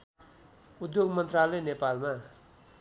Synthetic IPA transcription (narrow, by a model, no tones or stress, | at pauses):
ud̪joɡmʌnt̪ralʌjnepalma